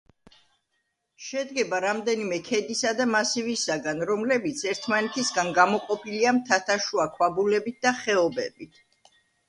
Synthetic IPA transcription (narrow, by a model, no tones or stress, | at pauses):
ʃɛd̪ɡɛbaɾamd̪ɛnimɛkʰɛd̪isad̪amasivisaɡanɾɔmlɛbit̪sʰɛɾt̪ʰmanɛt̪ʰisɡanɡamɔqʼɔpʰiliamt̪ʰat̪ʰaʃuakʰwabulɛbit̪̚d̪aχɛɔbɛ̰bit̪ʰ